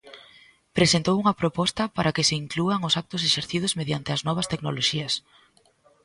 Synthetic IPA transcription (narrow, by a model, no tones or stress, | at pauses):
pɾesent̪owuŋɐpɾopɔst̪ɐpaɾakɪsɪiŋkluaŋʊsak̚t̪ʊs̬eʃeɾθið̞ʊzmeðjant̪ɪɐznɔβ̞ɐst̪eknoloʃiɐs